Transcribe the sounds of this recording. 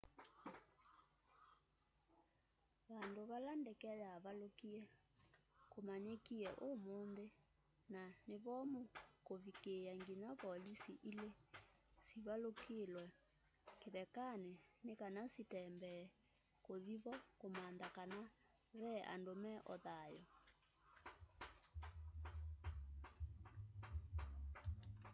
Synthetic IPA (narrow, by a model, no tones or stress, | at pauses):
βandoβalandɛkɛjaːβalokiɛ | komaɲekiɛʔomonðe | naneβɔmokoβikeaŋɡinaβɔlisiʔile | siβalokelwɛ | keðɛkanenekanasitɛmbɛ | koðiβɔkomandakana | βɛʔa̰ndomɛʔɔ̰ðajɔ